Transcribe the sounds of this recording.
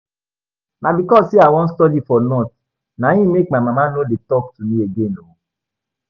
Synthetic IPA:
nabikɔssiawɔ̃n̩stɔdifɔnɔt | nãĩmek̚mãmãmãnoletɔk̚tunĩeɡeno

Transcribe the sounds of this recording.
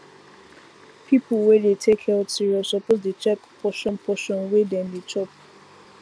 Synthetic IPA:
pʰipʰəlwɛdetʰekhɛsiɹiɔsɔpozdet͡ʃɛkpʰɔʃɔ̃npʰɔʃɔ̃nwedɛ̃nditʰɔp̚

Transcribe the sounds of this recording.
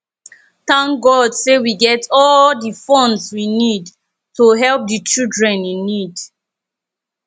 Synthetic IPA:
θãŋɡɔdsewiɡɛtʰɔldifɔ̃nswinid | toɦɛlp̚dit͡ʃildɹɛ̃nĩnːid

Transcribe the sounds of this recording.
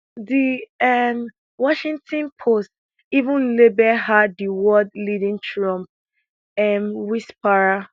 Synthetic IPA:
diɛm | wɔʃĩŋtʰɔ̃npʰost | ivũnlebɛhadiwɔdlidĩntɹɔ̃mp̚ | ɛmwispaɹa

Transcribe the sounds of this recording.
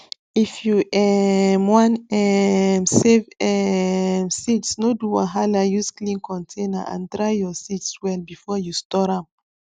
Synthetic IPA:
ifjuʔɛmwãnɛmsevɛmsitsnoduwãɦalajusklĩnkʰɔ̃ntʰẽnaʔã̰ndɹajjɔsitswɛlbifɔjustɔɾãm

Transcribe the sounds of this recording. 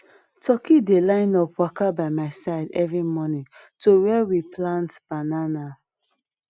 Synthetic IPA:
tʰɔkidelãɪ̃nɔpwakabaɪmaɪsaɪdɛvɹimɔnĩŋtowɛwiplãntb̥anana

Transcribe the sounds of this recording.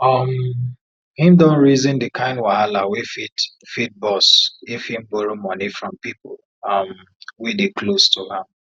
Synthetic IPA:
ʌm | hĩmdɔ̃nɹizĩndɨkʰãɪ̃ndwaalawifit | fit̚bɔsifhĩmbɔɹimɔnifɹɔ̃mpipʊl | ʌm | widekʰlostʰuhãm

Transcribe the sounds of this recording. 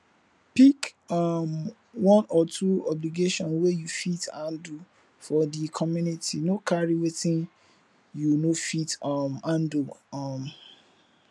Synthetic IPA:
pik | ɔm | wɔ̃nɔtʰuɔbliɡeʃɔ̃nwejufitãndu | fɔdikʰɔmjunitʰinokʰaɹiwetĩn | junofitɔmãndom

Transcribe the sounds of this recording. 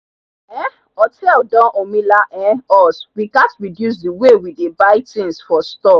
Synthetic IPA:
ɛ | ɔtʰɛldɔ̃ʔomĩlaʔɛ̃ɔswiɡatɹidjus̬diwewidebaɪtĩnsfɔstɔ

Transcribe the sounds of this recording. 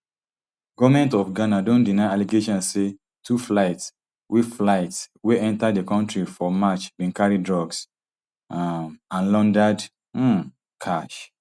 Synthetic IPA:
ɡɔvamɛ̃ntɔfɡanadõndinaɪaliɡeʃɔ̃nse | tʰuflaɪts | wiflaɪtsweʔɛ̃ntaddekɔ̃ntɹifɔmat͡ʃbĩnkaɹidɹɔɡs | ãnlɔ̃ndad̩ | kʰaʃ

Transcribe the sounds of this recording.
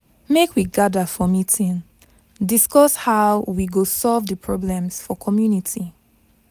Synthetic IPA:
mekʰwiɡadəfɔmitĩn | diskɔshawwiɡosɔlvðəpʰɹɔblɛ̃msfɔkʰɔmjunitʰi

